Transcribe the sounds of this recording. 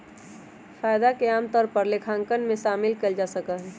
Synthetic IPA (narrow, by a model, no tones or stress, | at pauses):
faːjd̪akeaːmt̪ɔːɾpəɾlekʰãːŋkənmẽʃaːmɪlkəld͡ʒaːsəkəɦɛ